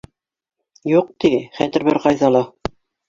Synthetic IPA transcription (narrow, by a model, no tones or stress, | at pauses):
juq̚t̪iχæt̪ɘ̆ɾbɘɾqɑjðɑlˠɑ